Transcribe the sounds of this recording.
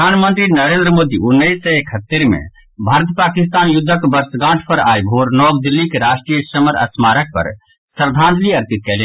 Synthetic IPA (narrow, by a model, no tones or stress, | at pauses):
panmənt̪ɾinəɾend̪ɾəmod̪iunːəisːə̃ekʰɦət̪ːeɾmḛ | bʱaɾət̪pakist̪anjud̪ʱːəkbəɾsɡãːʈʰpəɾa̰jbʱɦoɾnɔːɡd̪ilːikeɾasʈɾijəsəməɾə̰smaɾək̚pə̰ɾ | səɾd̪ʱãnd̪liəɾpit̪̚kɛle